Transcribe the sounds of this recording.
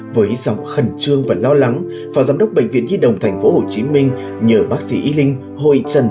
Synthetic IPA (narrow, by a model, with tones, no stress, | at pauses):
vəː˨˦jzɔ̰˧˨wŋ͡mxə˨˩nt͡ɕɨ˧əŋvaː˨˩lɔ˧la˨˦ŋ | faː˨˦wzaː˨˦mɗə˦˥wk͡p̚ɓḛ˧˨ŋ̟vḭ˧˨ənzi˧ɗə̰˨˩wŋ͡mt̪ʰa˨˩ŋ̟fo˨˦ho˨˩t͡ɕi˨˦mï˧ŋ̟ | ɲəː˨˩ɓaː˦˥k̚sḭ˧˥ʔi˨˦lï˧ŋ̟ | ho̰˧˨jt͡ɕə˨˩n